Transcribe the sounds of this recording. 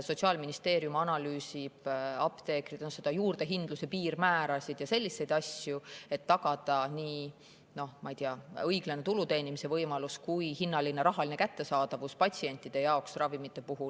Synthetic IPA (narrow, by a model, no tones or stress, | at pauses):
so̞t̪ʲsiɑːlminist̪e̞ːɾjumɑnɑlyːsib̥ɑpt̪e̞ːkɾit̪nose̞d̪̥ɑjuːrd̪̥e̞ɦind̪̥luse̞piːɾmæːɾɑsid̪̥jɑse̞lʲːise̞jd̪ɑsʲjue̞t̪ːɑɡ̥ɑd̪̥ɑniː | no̞hmɑjd̪ijɑɤjɡ̥lenet̪ulut̪e̞ːnimise̞vɤjmɑluskujhinːɑlineɾɑɦɑline̞kæt̪ːe̞sɑːd̪̥ɑvuspɑt̪ʲsie̞nʲt̪ːˑid̪̥e̞jɑoksrɑvimit̪ːˑe̞puɦul